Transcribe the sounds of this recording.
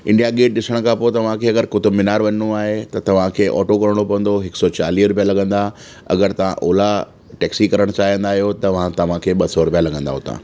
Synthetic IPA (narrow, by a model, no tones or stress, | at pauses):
ɪ̃ɳɖijaɡeːʈ̚ɗɪsəɽ̃kʰãpoːet̪ɐʋ̤ãkʰeːɐɡəɾkʊt̪ʰomɪnaːɾʋɐɲnoaːɦet̪ɐt̪ɐʋ̤ãkʰeːʔɔ̰ːʈokɐɾɽ̃opɐʋə̃nd̪oɦɪksɔt͡ɕaːliːɾʊpijalɐɡə̃nd̪a | ɐ̰ɡəɾt̪ɐʋ̤ã̰ʔoːla | ʈɛːksikɐɾəɽ̃t͡ɕaːɦijə̃nd̪aːɦijot̪ɐʋ̤ãt̪ɐʋ̤ãkʰeːɓɐsɔɾʊpijalɐɡə̃nd̪a̰ɦʊt̪ã̰ː